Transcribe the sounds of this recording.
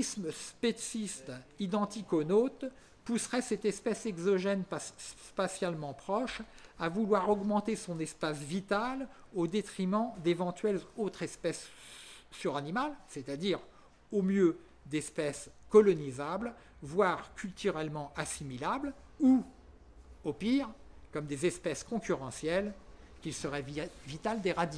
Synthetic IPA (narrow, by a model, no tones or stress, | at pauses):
isməspesist̪id̪ɑ̃t̪ikonot̪ | pusʁɛsɛt̪ɛspɛsɛɡzɔʒɛnpa | pasjalmɑ̃pχɔʃavulwaʁɔɡmɑ̃t̪esɔ̃nɛspasvit̪alod̪et̪χimɑ̃d̪evɑ̃t̪ɥɛlot̪χɛspɛsː | yʁanimalset̪ad̪iʁ | omjø | d̪ɛspɛskɔlɔnizabl | vwaʁkʲylt̪yʁɛlmɑ̃asimilablu | opiʁkɔmd̪ezɛspɛskɔ̃kʲyʁɑ̃sjɛlkʲilsəʁɛvit̪ald̪eʁad̪i